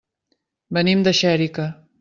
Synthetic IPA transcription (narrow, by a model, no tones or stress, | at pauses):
bənimd̪ɐʃɛɾikɐ